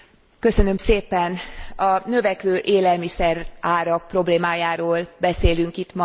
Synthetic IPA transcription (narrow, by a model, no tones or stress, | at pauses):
kø̞sønø̞mseːpɛnɒnø̞vɛkʋøːʔeːlɛlmisɛraːɾɒk̚pro̞bleːmaːjaːɾoːlbɛseːlyŋkit̪mɒ